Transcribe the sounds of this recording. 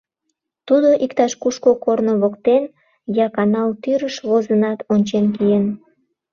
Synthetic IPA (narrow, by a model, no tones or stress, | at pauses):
t̪ud̪oʔikt̪ɑʃkuʃkokornoβokt̪en | jɑkɑnɑlt̪yɾəʃβozənɑt̪onʲt͡ɕenk̬ijen